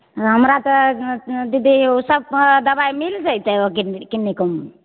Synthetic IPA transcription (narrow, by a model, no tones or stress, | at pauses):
ɦəmɾat̪ɔ | d̪id̪iosəb̚d̪əbaimild͡ʒəit̪ɛokikinːikum